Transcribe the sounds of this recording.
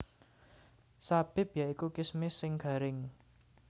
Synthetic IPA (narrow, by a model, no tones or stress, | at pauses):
sab̥ɪ̤bjaikukɪsmɪsɪŋɡ̥a̤ɾɪŋ